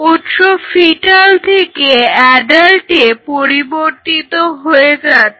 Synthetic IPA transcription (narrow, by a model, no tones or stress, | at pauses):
ut̪ʃofiʈalt̪ʰekeɛɖalʈepoɾiboɾt̪it̪oɦoed͡ʑat̪